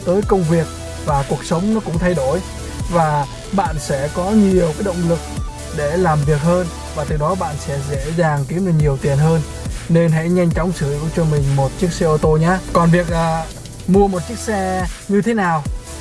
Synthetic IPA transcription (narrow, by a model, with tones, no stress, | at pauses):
t̪əː˨˦jkə˧wŋ͡mvi˨˩ək̚ | vaː˨˩ku˨˩ək̚sə˨˦wŋ͡mnɔ˨˦kʊ̰˧˥ŋ͡mt̪ʰa˧jɗo˧˩j | vaː˨˩ | ɓa̰ː˧˨nsɛ̰˧˥kɔ˨˦ɲi˨˩əwkaː˨˦jɗə̰˧˨wŋ͡mlɨ˨˩k̚ | ɗe˧˩laː˨˩mvi˨˩ək̚həː˧n | vaː˨˩t̪ɨ˨˩ɗɔ˨˦ɓa̰ː˧˨nsɛ̰˧˥zḛ˧˥zaː˨˩ŋki˨˦əə˧˩ɲi˨˩əwt̪i˨˩ənɦəː˧nː | e˧nɦɛ̰˧˥ɲa˧jŋ̟t͡ɕɔ˨˦wŋ͡msɨ˧˩˨ku˧˩t͡ɕɔ˧mï˨˩ŋ̟mo˨˩t̚t͡ɕɨ˦˥ək̚sɛ˧ʔo˧t̪o˧ɲa˨˧˥kɔ˨˩nvi˨˩ək̚laː˨˩ | mu˧əmo˨˩t̚t͡ɕɨ˦˥ək̚sɛ˧ɲɨ˧t̪ʰe˨˦naː˨˩w